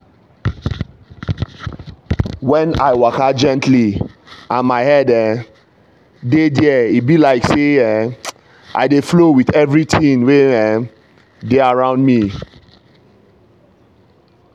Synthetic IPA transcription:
wɛ̃na̰ɪwakad͡ʒɛ̃ntʰliãnmaɪhɛdɛ | dediɛibilaɪkseɛ | ʔa̰ɪdeflowiθɛvɹitʰĩnweɛ | deaɹãʊ̃ndmi

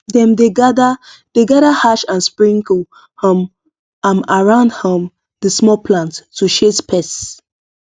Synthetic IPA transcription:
dɛ̃mdeɡadad̥eɡaɾahaʃãnspɹĩŋku | hə̃m | ãmaɹãʊ̃ndhə̃m | dəsmɔpʰlãntːuʃespʰɛs

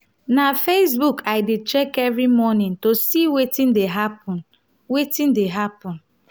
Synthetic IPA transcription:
nafes̬bukʰaɪdet͡ʃɛkɛvɾimɔnĩntosiwetĩndeɦapɔ̃n | wetĩndeɦapɔ̃n

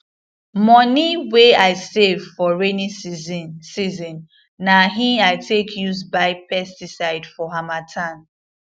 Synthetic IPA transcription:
mɔniweaɪsevfɔɹeni | sizɔ̃nː | aɦĩaɪtʰekʰjusbaɪpɛstisaɪdfɔɦamatʰãn

